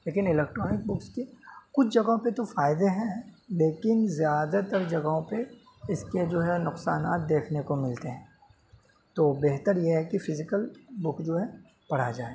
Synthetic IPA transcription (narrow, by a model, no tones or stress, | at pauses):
leːkɪnɪlɛːk̚ʈɾɔːnɪk̚bʊkskekʊt͡ʃʰd͡ʒɐɡõpet̪ofaːɪd̪eɦɛ̃leːkɪnzjaːd̪at̪ɐɾd͡ʒɐɡɦõpe | ɪsked͡ʒoːɦɛnʊqsaːnaːt̪̚d̪eːkʰnekomɪlt̪eɦɛ̃ː | t̪oːbeːɦt̪əɾjeɦɛkifɪzɪkəlbʊkd͡ʒoːɦɛ | pɐɽ̤ad͡ʒaːe